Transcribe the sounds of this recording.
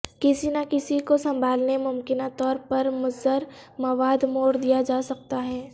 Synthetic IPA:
kɪsinakɪsikosɐ̃mbʱaːlnemʊmkɪnat̪ɔːɾpɐɾmʊzəɾmɐʋaːd̪moːɽd̪ijad͡ʒaːsɐk̚t̪aɦɛː

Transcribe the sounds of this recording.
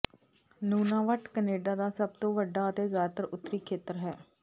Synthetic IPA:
nuːnãːʋəʈkəneːɖaːd̪aːsəb̚t̪õːʋəɖaːət̪eːzjaːd̪t̪əɾʊt̪ːɾiːkʰeːt̪əɾɦɛː

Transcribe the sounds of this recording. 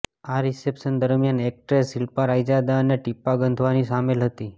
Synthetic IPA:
aɾisepʃənd̪əɾmijanek̚ʈɾesilpaɾajd͡ʒad̪aəneʈipːaɡənd̪ʱʋanisamelɦət̪i

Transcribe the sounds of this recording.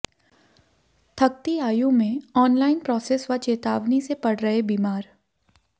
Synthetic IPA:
t̪ʰɐk̚t̪iaːjũmẽɔːnlaːɪnpɾɔːseːsʋat͡ʃeːt̪aːʋnisepɐɽɾɐɦebiːmaːɾ

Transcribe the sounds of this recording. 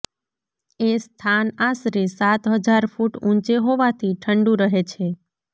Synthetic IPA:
est̪ʰanasɾisat̪ɦəd͡ʒaɾfuʈũnt͡ʃeɦoʋat̪ʰiʈʰəɳɖũɾəɦet͡ʃʰe

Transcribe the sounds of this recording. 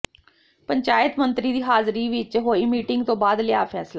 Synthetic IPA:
pəɲt͡ʃaːjət̪mə̃nt̪ɾiːd̪iːɦaːzɾiːʋɪt͡ʃɦoːimiːʈɪ̃ŋɡt̪õːbaːd̪lɪjaːpʰɛːsla

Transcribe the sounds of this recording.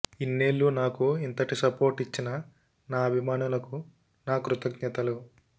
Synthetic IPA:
inːe̞ːlːunaːkuint̪ɐʈisɐpo̞ːɾʈit͡ʃːinɐ | naːɐbʱimaːnulɐku | naːkɾut̪ɐɡɲɐt̪ɐlu

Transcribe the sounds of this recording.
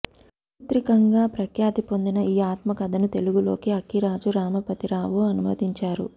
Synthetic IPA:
ut̪ɾikɐŋɡaːpɾɐkjaːd̪ipo̞nd̪inɐiːaːt̪mɐkɐd̪ʱɐnut̪e̞luɡulo̞̰ːkiɐkiɾaːd͡ʒuɾaːmɐpɐt̪iɾaːʋuɐnumɐd̪iɲt͡ʃaːɾṵ

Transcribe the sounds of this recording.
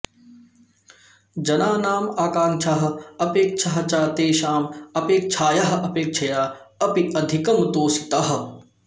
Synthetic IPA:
d͡ʒɐnaːnaːmaːkaːŋt͡ʃʰaɦɐ̆ɐpeːk̚t͡ʃʰɐɦɐt͡ʃaːt̪eːʃaːmɐpeːk̚t͡ʃʰaːjɐɦɐ̆ʔɐpeːk̚t͡ʃʰɐjaːɐpiʔɐd̪ʱikɐmt̪oːsi̥t̪ɐɦɐ̆

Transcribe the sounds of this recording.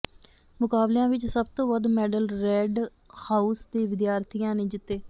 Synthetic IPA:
mʊkaːbljãːʋɪt͡ʃsəb̚t̪õːʋəd̪mɛːɖəlɾɛːɖ | haːuːsd̪eːʋɪd̪jaːɾt̪ʰijãːneːd͡ʒɪt̪ːeː

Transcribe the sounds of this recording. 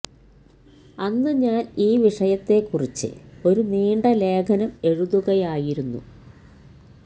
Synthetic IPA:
ɐnːɨɲaːniːʋiʂɐjɐt̪ːe̞kːurit͡ɕːɨ̰o̞ɾuniːɳɖɐle̞ːkʰɐnɐme̞ɻuðuɣɐjaːjiɾunːṵ

